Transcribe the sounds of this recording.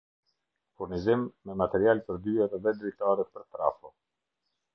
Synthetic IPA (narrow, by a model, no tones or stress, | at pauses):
fuɾnizimːɛmat̪ɛɾialpəɾd̪yɛɾðɛd̪ɾɛt̪aɾɛpəɾt̪ɾa̰fɔ